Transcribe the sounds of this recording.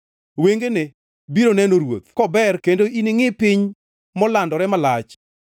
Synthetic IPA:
weŋɡene | biɾonɛnoɾwo̰t̪kɔbɛrkendoinɪŋɪpɪɲ | mɔlandɔɾɛmalat͡ʃ

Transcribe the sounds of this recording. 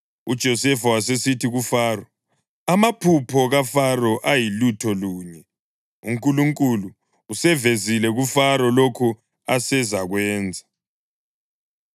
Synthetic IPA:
ud̥ʒ̥ʱɔsɛfawas̬esitiɣufaːrɔ | amapʰupʰɔɣafarɔʔajilutʰɔluːɲɛ | ṵŋkʼuluŋkʼuluː | sɛvezilɛɣufaɾɔlokʰu | asɛzaɣwɛːnd͡zʱa

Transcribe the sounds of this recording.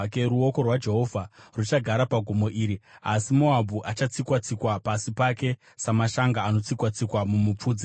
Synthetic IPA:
keɾuo̞ko̞rwad͡ʒe̞ɦo̞vʱarut͡ʃaɡʱaɾapaɡʱumo̞ʔiːɾiasimo̞abʱuʔat͡ʃat͡sikwat͡sikwapasipake̞ | samaʃaŋɡaːno̞t͡sikwat͡sikwamumup͡fuːd͡zi

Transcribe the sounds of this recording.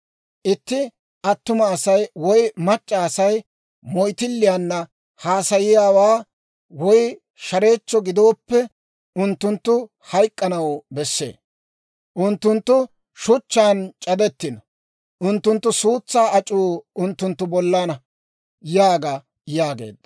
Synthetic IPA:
ʔɪt̪ːɪ | ʔɐt̪ːʊmɐːsɐjwɔjmɐt͡ʃʼːaːsɐj | mɔjt̪ɪlːɪjanːɐ | haːsɐjɪjaːwaː | wɔj | ʃɐɾe̞ːt͡ʃːɔɡɪd̪o̞ːpːɛ | ʊnt̪ːʊnt̪ːʊ | hɐjkʼːɐnɐwbɛsːḛː | ʔʊnt̪ːʊnt̪ːʊ | ʃʊt͡ʃːaːnt͡ʃʼɐd̪ɛt̪ːɪnɔ | ʔʊnt̪ːʊnt̪ːʊsuːt͡sːaːɐt͡ʃʼːuːʊnt̪ːʊnt̪ːʊbɔlːanɐ | jaːɡɐ | jaːɡe̞̰ːd̪ːɐ

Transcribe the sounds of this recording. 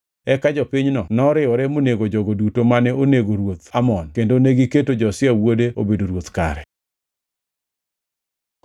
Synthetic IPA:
ɛkad͡ʒɔpiɲnɔnɔɾɪɔɾɛmoneɡod͡ʒɔɡodutomanɛoneɡoɾwot̪amɔnkendoneɡiketod͡ʒɔsjɛwodeo̰bedoɾwot̪ka̰ɾɛ

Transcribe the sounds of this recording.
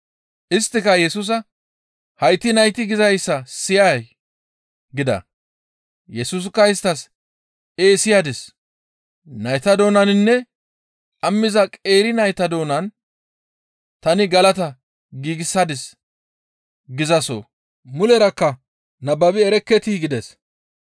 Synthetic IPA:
ʔɪst̪ːɪkɐjɛsʊs̬ɐ | hɐjt̪ːɪnɐjt̪ɪɡɪzɐjsːɐsɪjaj | ɡɪd̪ɐ̰ | jɛsus̬kːɐɪst̪ɐs | eːsɪjad̪ɪs | nɐjt̪ɐd̪o̞ːnɐnɪnːɛ | kʼɐmːɪzɐkʼe̞ːɾɪnɐjt̪ɐd̪o̞ːnɐn | t̪ɐnɪɡɐlɐt̪ɐ | ɡiːɡɪsːɐd̪ɪs | ɡɪzɐso̰ | mʊlɛɾɐkːɐ | nɐbːɐbɪɛɾɛkːɛt̪iɡɪd̪ɛs

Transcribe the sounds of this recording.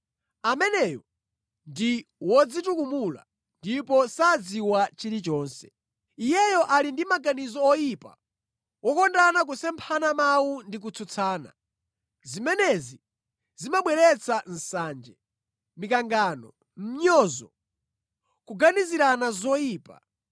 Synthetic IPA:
amɛnɛjɔ | ndiwɔd͡zitukumula̰ | ndipɔsad͡ziwat͡ʃiɾit͡ʃɔːnsɛ | ijɛjɔʔalindimaɡanizɔːjipa̰ | wɔkɔndanak̬usɛmpʰanamawundik̬ut͡sʰut͡sʰaːna̰ | zimɛnɛzi | zimaɓwɛɾɛt͡sʰan̩saːnd͡ʒɛ | mikaŋɡaːnɔ̰ | m̩ɲɔːzɔ̰ | kuɡaniziɾanazɔjiːpa̰

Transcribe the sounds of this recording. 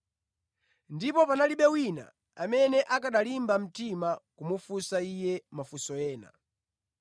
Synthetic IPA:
ndipɔpanaliɓɛwina̰ | amɛnɛʔakaɗalimbam̩timakumufusaijɛmafusɔjɛːna̰

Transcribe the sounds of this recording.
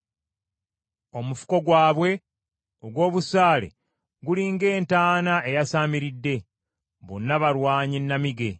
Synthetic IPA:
o̞mufu̥ko̞ɡwaːβwe̞ | oɡwo̞ːβusaːle̞̰ | ɡuliːŋɡe̞ːntaːnaʔe̞jasaːmiɾidːe̞ | βo̰nːaβaɾwaːɲinːamiɡe̞

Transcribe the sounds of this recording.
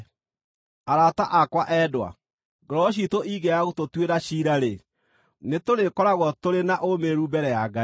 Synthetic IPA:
aɾataʔakwaʔɛːdwa̰ | ɡɔɾɔɕ̬itoʔiɣeaɣutotweɾaɕiɾaɾe | netoɾekɔɾaɣɔtoɾenaʔomeɾubɛɾɛjaɡa

